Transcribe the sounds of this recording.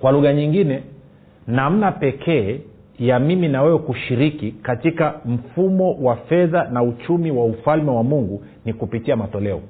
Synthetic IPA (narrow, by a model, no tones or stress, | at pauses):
kwaluɣaɲiŋɡinɛ | nam̩napɛkʰɛː | jamiminawɛwɛkuʃiɾikikatikam̩fumɔwafɛðanaut͡ʃumiwaufalmɛwamuŋɡu | nikupitiamatɔlɛɔ̰